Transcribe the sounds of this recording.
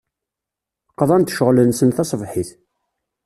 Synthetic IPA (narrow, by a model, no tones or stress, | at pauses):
qːðˤɑnt̪ʃəʁlənsənθɑsˤvħiθ